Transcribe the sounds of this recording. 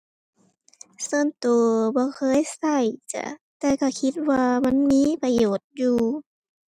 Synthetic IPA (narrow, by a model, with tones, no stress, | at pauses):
sɤ˧˨nt̪oː˨˩bɔː˧˦kʰɤː˧˥˨jsa˧˩jt͡ɕa̰˧˩t̪ɛː˧˩ka˧˩kʰi˧˦t̪̚waː˧ma˧˥˨nmiː˧˥˨pa˧joː˨˩t̪̚juː˧